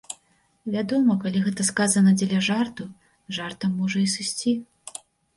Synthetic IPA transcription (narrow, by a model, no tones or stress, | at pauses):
vʲad̪ɔmɐkalʲiɣɛt̪ɐskazɐnɐd͡zʲelʲɐʐart̪u | ʐart̪ɐmːɔʐɐisɨsʲt͡sʲi